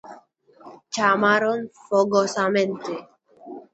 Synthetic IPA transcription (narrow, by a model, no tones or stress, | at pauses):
t͡ʃamaɾɔnfɔɡɔsamɛnt̪e